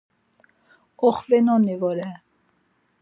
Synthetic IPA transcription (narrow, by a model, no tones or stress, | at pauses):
ɔχvɛnɔnivɔɾɛ